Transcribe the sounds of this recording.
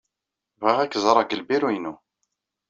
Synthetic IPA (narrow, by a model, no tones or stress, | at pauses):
væʁækːzˤɾˤɑɡəlbiɾujnu